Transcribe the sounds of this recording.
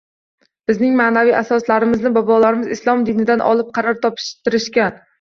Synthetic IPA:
b̥ɪznɪŋmaːnavijasɒslaɾɪmɪznɪbɒbɒlaɾɪmɪzɪslˠɒmd̪ɪnɪd̪anʔɒ̰lˠɪp̚qʰɑɾɒɾt̪ʰɒpʰɪ̥ʃt̪ɪɾɪʃkʲan

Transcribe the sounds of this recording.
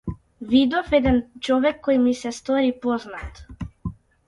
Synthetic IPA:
vid̪ɔfɛd̪ɛnt͡ʃɔvɛkʰːɔjmisɛst̪ɔɾipɔznat̪

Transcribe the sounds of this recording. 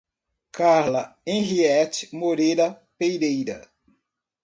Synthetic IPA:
kaɾlɐẽɦiɛt͡ʃɪ̥moɾejɾɐ | pejɾejɾɐ

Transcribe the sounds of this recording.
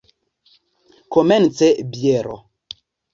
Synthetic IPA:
kɔmɛnt͡sɛbjɛɾɔ̰

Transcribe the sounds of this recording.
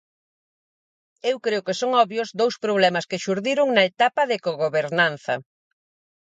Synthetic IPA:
ewkɾeokesoŋɔβjozd̪owspɾoβ̞lɛmɐskeʃuɾðiɾʊŋnɐet̪apɐðɪkoɣoβeɾnan̟θɐ̰

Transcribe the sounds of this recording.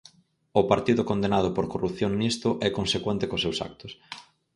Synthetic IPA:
ʊpaɾt̪iðʊkond̪enaðʊpoɾkoruθjoŋnist̪ʊʔɛkonsekwent̪ɪkosewsa̰k̚t̪ʊs

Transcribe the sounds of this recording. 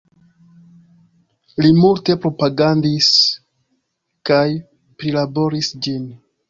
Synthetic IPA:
limulte̞pɾo̞paɡandis | kaj | pɾilabo̞ɾisd͡ʒin

